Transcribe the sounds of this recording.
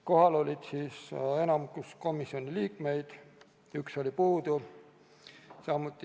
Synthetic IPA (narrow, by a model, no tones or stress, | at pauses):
ko̞ɦɑlo̞lʲid̪̥siːse̞nɑmukusko̞misːio̞nʲiliːkme̞jd̪̥ | ykso̞lipuːd̪u | sɑmːut̪ːˑi